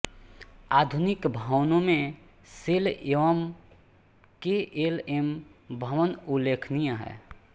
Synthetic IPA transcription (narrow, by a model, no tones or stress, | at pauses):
ad̪ʱunɪkbʱawnõmẽ | sɪleʋəm | keʔelembʱəʋənulːekʰnijaɦɛ̰ː